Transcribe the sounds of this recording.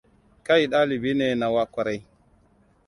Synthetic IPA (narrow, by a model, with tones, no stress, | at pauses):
ka˦jɗa˦li˨bi˦ne˨na˨wa˦kʷa˨ɾa˦j